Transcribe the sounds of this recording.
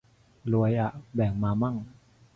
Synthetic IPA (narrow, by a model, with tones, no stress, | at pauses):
lu˧ə˧jʔa˨˩ʔbɛː˨˩ŋmaː˧ma˥˩ŋ